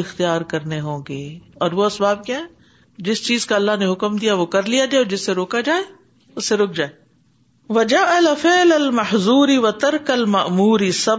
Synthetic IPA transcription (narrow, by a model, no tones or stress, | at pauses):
ɪxt̪ijaːɾkɐɾneɦõːɡeːɔːɾʋoɐsbaːb̚keaɦɛ̃ː | d͡ʒɪst͡ʃiːzkaɐlːaɦneɦʊkmd̪ijaʋokɐɾlijad͡ʒaːeɔːɾd͡ʒɪsːeɾoːkad͡ʒaːe | ʊsːeɾʊk̚ʰd͡ʒaːeː | ʋɐd͡ʒaʔɐlafɪːlɐlmɐħzuːɾiʋɐt̪ɐɾkɐlmɐʔmuːɾisɐ